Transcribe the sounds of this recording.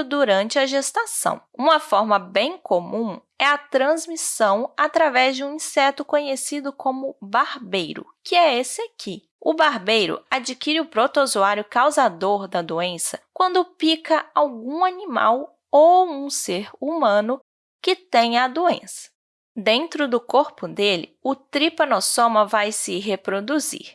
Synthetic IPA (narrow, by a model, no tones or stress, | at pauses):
d̪uɾɐ̃nt͡ʃɪɐʒest̪asɐ̰̃w̃ũmɐfɔɾmɐbẽj̃komũ | ɛɐt̪ɾɐ̃zmisɐ̃w̃at̪ɾavɛzd͡ʒɪũĩsɛt̪ʊkõɲesid̪ʊkõmʊbaɾbejɾʊ̰kɪɛesɪakʰi | ʊbaɾbejɾʊ̰ad͡ʒikiɾɪʊpɾot̪ozuaɾjʊkawzad̪oɾd̪ɐd̪oẽsɐkwɐ̃nd̪ʊpikɐawɡũanima̰w | owũseɾumɐ̃nʊ | kɪt̪ẽj̃ɐd̪uḛ̃sɐ̥ | d̪ẽnt̪ɾʊd̪ʊkoɾpʊd̪elɪ̰ʊt̪ɾipɐnosõmɐvajsɪɦepɾod̪uzḭɾ